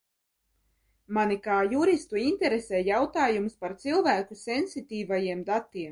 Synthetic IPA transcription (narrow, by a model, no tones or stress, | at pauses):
manikaːjuɾist̪uinʲt̪ɛɾesɛːjawt̪aːjumspaɾt̪silˠvæːkusʲɛnsit̪ʲiːvajiɛmd̪at̪iɛm